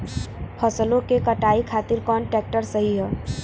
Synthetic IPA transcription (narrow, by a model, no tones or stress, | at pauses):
pʰəsəlõkekəʈaikʰat̪iɾkɔːnʈɛk̚ʈəɾsəɦiɦɛː